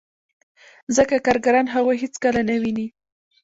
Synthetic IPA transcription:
zəkakɑɾɡaɾɑnɦaɣojɦet͡skəlanawini

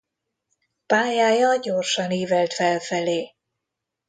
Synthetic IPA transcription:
paːjaːjɒɟorʃɒniːvɛlt̪fɛlfɛleː

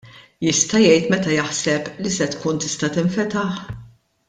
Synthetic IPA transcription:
jɪst̪ɐjɛjt̪mɛt̪ɐjɐħsɛplisɛt̪kuːnt̪ɪ̥st̪ɐt̪ɪɱfɛt̪ɐħ

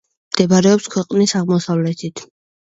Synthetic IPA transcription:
md̪̥ɛbaɾɛɔpskʰwɛqʼnisaʁmɔsavlɛt̪ʰit̪ʰ

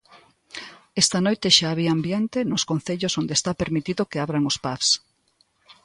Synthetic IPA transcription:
ɛst̪ɐnojt̪ɪʃaːβiaambjent̪enʊskon̟θeʎosond̪est̪apeɾmit̪iðokeaβɾaŋospafs

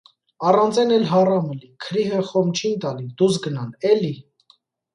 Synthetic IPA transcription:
ɑrɑnt͡sɛnɛlɦɑrɑməlikʰəɾiɦəχɔmt͡ʃʰint̪ɑlid̪us̬ɡənɑnɛli

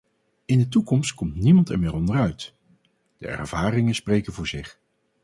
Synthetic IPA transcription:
ɪndətukɔmst̚kɔmtnimɑntɛ̰ɹmɪːɾɔndərœɥt | d̥ə̰ɛ̰ɹv̥aːrɪŋənsprejkənvʊːɹzɪχ

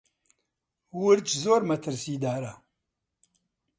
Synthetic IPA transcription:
wʊɾt͡ʃzoɾmɐt̪ʰəɾsid̪aːɾa

